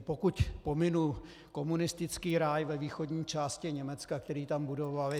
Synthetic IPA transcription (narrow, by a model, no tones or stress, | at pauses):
pokucpo̞mɪnul | ko̞munɪst̪ɪt͡skiːɾajvɛviːxo̞dɲiːt͡ʃaːscɪɲɛmɛt͡skakt̪ɛɾiːt̪ambudo̞val